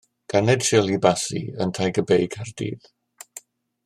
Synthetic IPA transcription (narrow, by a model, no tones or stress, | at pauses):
ɡ̥anɛd̥ʃɪlˠibasḭəntʰajɡəbejɡʰardḭːð̥